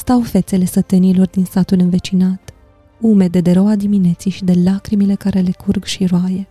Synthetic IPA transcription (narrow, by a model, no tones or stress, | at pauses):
st̪awfe̞t̪se̞le̞sət̪ɨnilo̞rd̪insat̪ulɨnve̞t͡ʃinat̪ | ume̞d̪e̞d̪eɾo̞wad̪imine̞t̪sijʃid̪e̞lakɾimile̞kaɾe̞le̞kʰurɡʃiɾoaje̞